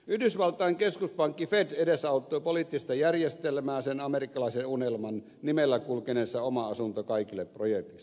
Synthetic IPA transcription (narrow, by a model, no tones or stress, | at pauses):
yhdysʋɑlt̪ˑɑˑeŋkeskuspɑŋkːifed̪edesɑˑut̪ˑːoˑipolit̪ːist̪ɑjærjest̪elmæːsenɑmerikːɑlɑˑisenunelmɑn | nimelːækulkeneˑsːɑomɑɑsunt̪okɑˑikilːeprojek̚t̪is